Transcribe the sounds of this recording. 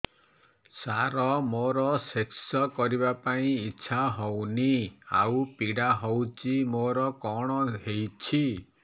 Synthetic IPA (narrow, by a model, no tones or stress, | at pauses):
saɾɔmoɾɔseksɔkɔɾibapaĩiʃʰaɦownia̰wpiɽaɦowt͡ʃimoɾɔkɔɽ̃ɔɦejt͡ʃʰi